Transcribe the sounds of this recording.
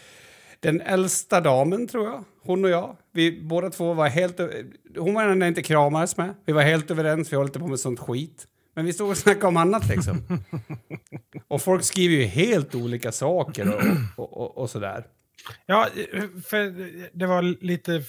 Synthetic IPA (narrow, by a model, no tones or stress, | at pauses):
d̪̥ɛnɛlst̪ad̪ɑːmənt̪ʰɾuːɾja | hʊnːɔjɑːvɪboːd̪at̪ʰv̥oːvaɾɦeːlt̪øhʊnmeːnad̪ɛæɾɪnt̪ːəkʰɾɑːmad̪əsmɛvɪvaɾɦeːlt̪øːvəɾɛnsvɪhalːɪt̪əpʰoːmɛt̪sɔnt̪ɧiːt̪ | mɛnvɪst̪oːɡɔsnakːaɔmanːat̪ʰlɪ̰ksɔ̰m | ʔɔfɔlkskɾiːvəɾjɵheːlt̪uːliːkasɑːkəɾɔɔɔɔsɔd̪æ̰ːɾ | jɑːfœd̪ɛvaliːt̪ə